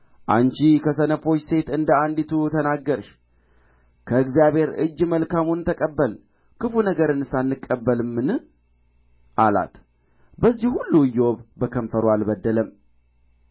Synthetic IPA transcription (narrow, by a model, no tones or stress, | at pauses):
ʔaɲt͡ʃikʰəsənəfo̞t͡ʃːse̞t̪ɨnd̪əand̪it̪ʰut̪ʰənaɡːəɾʃ | kʰəɨkzjaβhe̞ɾɨ̰d͡ʒːməlkamunt̪ʰəkʼəbːəl | kɨfunəɡəɾɨnɨsanːɨkʼːəbːəlmːɨn | ʔala̰t̪ | bəzːihhulːujːɛwoβbəkʰəɱfəɾwalbəd̪ːələm